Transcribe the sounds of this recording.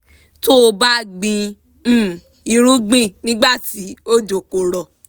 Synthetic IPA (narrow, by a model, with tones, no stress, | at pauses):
to˦˧ba˦ɡ͡bĩ˧˦˨ | i˧ɾ̃ũ˦ɡ͡bĩ˦˨nĩ˦ɡ͡ba˦˨ti˨˦o˦d͡ʒo˨ko˧˨ɾɔ˨